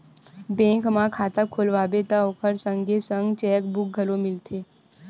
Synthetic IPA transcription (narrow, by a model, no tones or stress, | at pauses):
bẽːŋkmãkʰaːt̪əkʰoːlʋaːbet̪əoːkʰəɾsə̃ŋɡʱesə̃ŋɡt͡ʃɛːk̚bʊk̚ɡʱəlomɪlt̪ʰeː